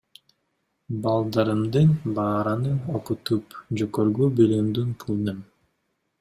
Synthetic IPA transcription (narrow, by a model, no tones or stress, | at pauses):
bɑlˠd̪ɑɾɯmd̪ɯnbɑːɾɑnɯoqut̪upd͡ʒokøɾɡybilimd̪yŋqʰɯlˠnɯm